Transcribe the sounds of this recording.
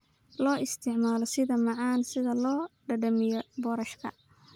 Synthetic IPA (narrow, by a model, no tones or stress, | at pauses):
lɔːʔɪst̪ʰɪʕmaːlɔsɪðɐmɑʕɑːnsɪðɐlɔːɖɐɖɐmɪjɔbɔːɾɐʃkʰɐ̰